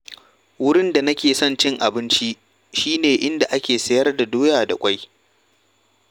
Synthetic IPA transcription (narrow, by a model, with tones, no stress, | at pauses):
wʊ˦ɽɪ˦nda˨nɐ˦kʲeː˨sɔ˦nt͡ʃɪ˦ŋʔa˨bɪ˦nt͡ʃi˦ | ʃiː˦neː˨ʔɪ˦nda˨ʔa˦kʲeː˨sɐ˨jɐ˦rda˨doː˦jaː˨da˨kʷʼa˦j